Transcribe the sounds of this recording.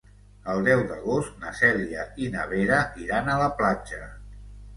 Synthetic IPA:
əlˠd̪ɛwd̪əɣost̪nəsɛliəinəβ̞eɾəʔiɾanələplad͡ʒə

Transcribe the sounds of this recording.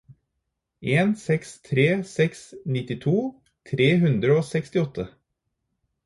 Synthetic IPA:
ʔeːnsɛkst̪ʰɾeːsɛksnɪt̪ɪt̪ʰuː | t̪ʰɾeːɦʉnd̪ɾəoːsɛkst̪ɪɔt̪ʰːə

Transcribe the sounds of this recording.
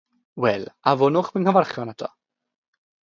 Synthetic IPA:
wɛlˠavʊnʊχbɪnkəvarχjɔnadʰɔ̰

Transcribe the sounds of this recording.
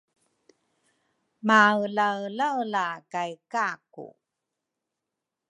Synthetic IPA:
mawlawlawlakajkakṵ

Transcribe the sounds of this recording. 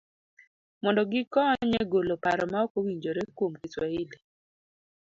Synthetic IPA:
mɔndɔɡɪkɔɲɛɡolopaɾɔmaɔkowiɲd͡ʒoɾekwomkɪswaile

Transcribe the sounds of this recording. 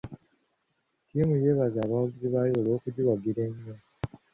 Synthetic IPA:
kiːmuje̞ːβazaːβawaɡiziβajoːlo̞ːkudiwaɡiɾeɲːo

